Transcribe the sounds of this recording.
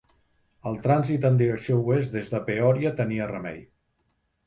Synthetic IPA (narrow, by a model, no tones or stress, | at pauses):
əlˠt̪ɾanzit̪ənd̪iɾəksiouezdezðəpeɔɾjət̪əniərəmɛ̰ʎ